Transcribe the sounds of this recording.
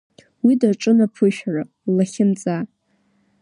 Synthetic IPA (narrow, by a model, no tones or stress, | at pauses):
widaʈ͡ʂʼɨnapʰʊʃᶣara | laχʲɪnt͡sʼa